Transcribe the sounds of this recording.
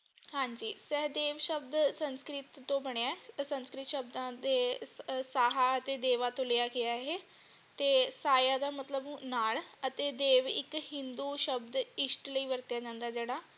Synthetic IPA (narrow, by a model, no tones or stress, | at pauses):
hãːɲd͡ʒiːsɛɦd̪eːʋʃəb̚d̪sənskɾɪt̪ːõːbəɽejaːɛsə̃nskɾɪt̪ʃəb̚d̪ãːd̪eːsaːɦaːət̪eːd̪eːʋaːt̪õːləjaːɡɪjaːɦeː | t̪eːsaːjaːd̪aːmət̪ləbnaːlət̪eːd̪eːʋɪ̰khɪ̃nd̪uːʃəbd̪ɪsʈləiːʋəɾt̪jaːd͡ʒãːnd̪aːd͡ʒeːɽaː